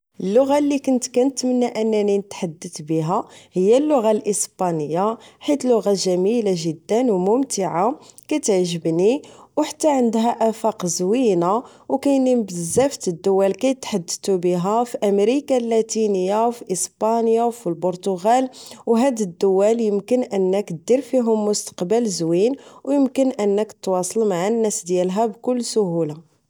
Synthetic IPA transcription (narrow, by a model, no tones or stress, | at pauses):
ʔəlːʊɣalːikʊnt̪kænət̪mənːæʔənːæninət̪ħad̪ːət̪biɦæhəjːælːʊɣalʔəsbɑnəjːaħit̪lʊɣaʒæmilaʒəd̪ːənwmʊmt̪əʕakæt̪əʕʒəbniwħḁt̪ːæʕənd̪ɦæʔæfɑqzwina | wkæjnimbəzːæft̪əd̪ːʊwːælkæjt̪ħad̪ːt̪ubiɦæfiʔæmɾikalːæt̪inəjːawfiʔəspɑnjawfilbʊɾt̪ʊɣælwɦæd̪əd̪ːʊwːæljəmkənʔənːək̪d̪iɾfiɦʊmːʊst̪ə̥qbəlzwinwjəmkənʔənːəkt̪wɑsˤəlmaʕanːæsd̪jælɦæbkʊlːsʊɦula